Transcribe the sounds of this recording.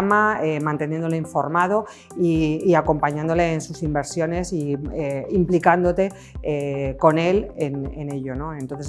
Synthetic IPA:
maemãnt̪e̞nje̞nd̪oleiɱfo̞̰ɾmað̞o̞ | iːako̞mpaɲãnd̪ole̞ːnsusimbe̞ɾsjo̞ne̞sieimplikand̪o̞t̪e̞ | eko̞ne̞lenene̞ʎo̞no̞ent̪onθes

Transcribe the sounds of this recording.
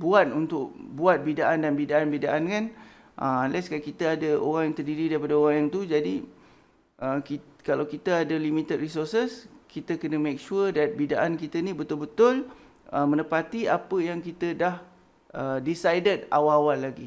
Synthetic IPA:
buat̪̚unt̪ʊk̚buat̪̚bidaʔandanbidaʔanbidaʔankan | ʔə̰anlɛskankit̪əadəʔo̰ɾaŋjaŋt̪ərdiɾidaɾipadəoɾaŋjaŋt̪ud͡ʒadi | əkikalawkit̪əadəlimit̪əd̚risɔrsəskit̪əkənəmek̚ʃuədat̪̚bidaʔankit̪ənĩbət̪ʊlbət̪ʊl | əmə̃nəpat̪iapəjaŋkit̪ədah | ʔədisajdəd̚a̰waːwalːaɡi

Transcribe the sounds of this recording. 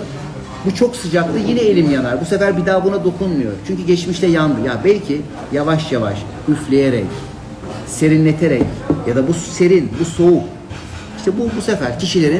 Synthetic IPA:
but͡ʃʰo̞ksɯd͡ʒaklˠɯjinɛelʲimjanaɾbuse̞fæɾbid̪aːbunad̪o̞kʰunmujo̞̰ɾt͡ʃʰyɲcyɟɛt͡ʃmiʃlʰʲɛjand̪ɯjabɛlʲcʰi | javaʃjava̰ʃ | yflʲe̞je̞ɾɛ̰c | se̞ɾinlʲet̪ʰe̞ɾɛcjad̪abuse̞ɾinbuso̞u | iʃt̪ʰɛbubusefæɾcʰiʃilʲe̞ɾi

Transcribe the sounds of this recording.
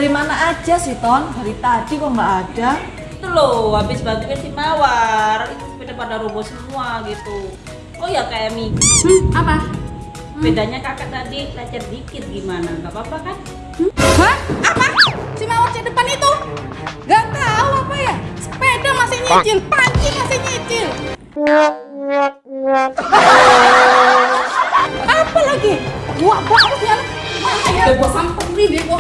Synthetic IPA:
ɾimanaːd͡ʒasiht̪ɔndaɾit̪adikɔmbaːda | it̪uloabɪsbaɡuansimawarit̪upedapadaɾobɔsəmuaɡit̪u | ojakajamiapa | bedaɲakakat̪adilat͡ʃar̚dikɪt̪̚ɡimanakapapakan | haapasimawart͡ʃadəpanit̪u | ŋɡaʔt̪auapajaspedamasɪɲet͡ʃɪlpaɲt͡ʃimasɪɲet͡ʃɪl | apalaɡibuaʔbuaʔʊsbiala | manajaabuaʔsampʊŋnidɪk̪o

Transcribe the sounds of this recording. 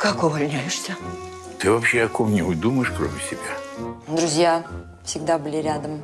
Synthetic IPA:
kakʊvɐlʲnʲajɪʂsʲə | t̪ɪvapɕːɛjɐkɔmnʲɛujd̪uməjɪʃkɾomʲɪsʲɪbʲad̪ɾʊzʲja | fsʲiɡd̪abɪlʲeɾʲad̪əm

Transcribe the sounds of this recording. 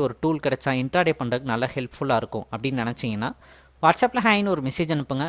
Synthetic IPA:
ɔɾɯʈuːlkɪɽɐt͡ʃːãːɪɳʈɾaːɽeːpɐɳɖɐkːɯnɐlːɐhɛlpfʊɭaːɪɾɯkːʊ̰̃ʔɐpːɐɽɪnːnɪnɐt͡ʃːɪŋɡɐnːa̰ː | ʋaːɾʈsaːplɐɦaːjnɯɔɾɯmɪsiːd͡ʒɛnɯpːɯŋɡɐ

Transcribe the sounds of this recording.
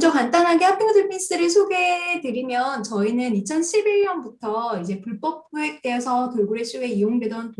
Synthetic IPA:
d͡ʑʌkant͈anɦaɡehak͈ʰiodɯɭpʰis͈ɯɾɯɭsʰoɡe̞dɯɾimjʌnt͡ɕʌinɯnit͡ɕʰʌnɕʰibiɭɲʌnbutʰʌid͡ʑe̞puɭp͈ʌp̚p͈ʰue̞k̚t͈eːsʰʌtɯɭɡuɾeɕ͈ʰuɡe̞ijoŋdwe̞dʌn

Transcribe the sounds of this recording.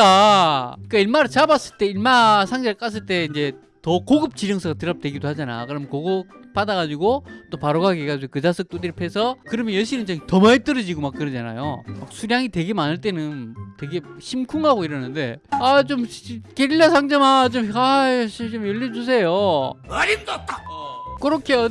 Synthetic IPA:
ta | k͈aiɭmaɾɯɭt͡ɕabas͈ɯɭt͈e̞iɭmasʰaŋd͡ʑeɯɭk͈as̬͈ɯɭt͈e̞ind͡ʑe̞ | tʌkoɡɯp̚t͡ɕiɾjʌŋsʰʌɡatɯɾʌp̚t͈we̞ɡidohad͡ʑana̰kɯɾʌmjʌnkoɡɯp͈adaɣad͡ʑiɡot͈opaɾoɡaɡeɡad͡ʑiɡokɯd͡ʑasʰɯk̚t͈odɯɾipʰe̞sʰʌkɯɾʌmjʌnjʌɕ̬ʰinɯnt͡ɕʌŋtʌmait͈ɯɾʌd͡ʑiɡomak͈̚ːɯɾʌd͡ʑana̰jo̰mak̚sʰuɾjaŋitwe̞ɡe̞manɯɭt͈e̞nɯntwe̞ɡe̞ɕʰimkʰuŋaɡoiɾʌnɯnde̞at͡ɕomkeɾiʎːasʰaŋd͡ʑʌmat͡ɕomaɕʰiit͡ɕomjʌʎːid͡ʑus̬ʰe̞jomaɾindatʰaɡkɯɾʌkʰe̞jo

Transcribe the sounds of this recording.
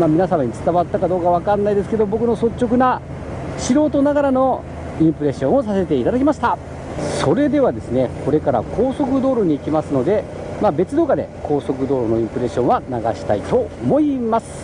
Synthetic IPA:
mamʲinasãmaɲ̟it͡sɨ̥t̪aβat̪ːakad̪o̞ːkaβ̞akanːaid̪e̞sɨ̥ke̞d̪o̞bo̞kɯno̞so̞t͡ɕːo̞kɯ̟na | ɕiɾo̞ːt̪o̞naɡaɾano̞ | ĩmpɯ̟ɾe̞ɕõ̞ɰ̃osase̞t̪e̞it̪ad̪akʲimaɕi̥t̪a | so̞ɾe̞d̪e̞βad̪e̞sɨne̞ko̞ɾe̞kaɾa̰kʰo̞ːso̞kɯ̟d̪o̞ːɾo̞ɲ̟iːkʲimasɨno̞d̪e̞ | mabe̞t͡sɨd̪o̞ːɡad̪e̞̰ko̞ːso̞kɯ̟d̪o̞ːɾo̞no̞ĩmpɯ̟ɾe̞ɕõ̞ɰ̃anaɡa̰ɕi̥t̪ait̪o̞omo̞imasɨ̥

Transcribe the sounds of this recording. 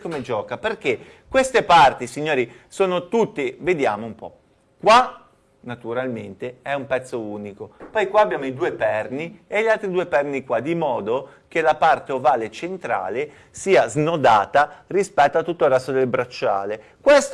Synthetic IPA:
komed͡ʒɔːkaperk̟e | kwest̪epart̪isiɲːoːɾisoːnot̪ut̪ːived̪jaːmoumpɔ̰ | kwa | nat̪uɾalment̪eɛumpɛt̪sːouːnikopɔjkwaːbjaːmoid̪uːepɛrnieʎalt̪ɾid̪uːepɛrnikwad̪imɔːd̪o | k̟elapart̪eovaːlet͡ʃent̪ɾa̰ːle | siːaznod̪aːt̪arispɛt̪ːoat̪ːut̪ːolrɛst̪ːod̪elbɾat͡ʃːa̰ːlekwest̪

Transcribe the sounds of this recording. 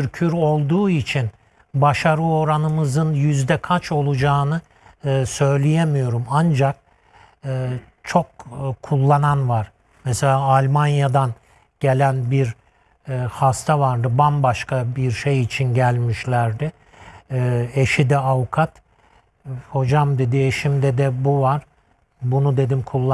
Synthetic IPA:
yɾcʰyɾo̞lˠd̪uːit͡ʃʰin | baʃaɾɯo̞ɾanɯmɯzɯnjyzd̪ɛkʰat͡ʃʰo̞lˠud͡ʒaːnɯː | sø̞jlʲijemijo̞ɾumand͡ʒak̚ | ɯː | t͡ʃʰo̞kkʰːulˠːananvaɾ̥ | mese̞lʲaːlʲmanjad̪an | ɟ̥e̞lʲænbiɾ | hast̪ʰavaɾd̪ɯbanbaʃkabiɾʃejit͡ʃʰinɟælʲmiʃlʲæɾd̪ɪ | eʃid̪ɛavukʰat̪ | ho̞d͡ʒamd̪e̞d̪ieʃimd̪ɛd̪ɛbuvaɾ̥ | bunud̪e̞d̪imkʰulˠːa

